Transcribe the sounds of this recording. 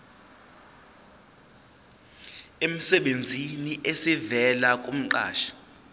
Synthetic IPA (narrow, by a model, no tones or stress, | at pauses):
em̩sɛɓend͡zʱiniʔesivɛlak̬ʼum̩ǃa̰ːʃḁ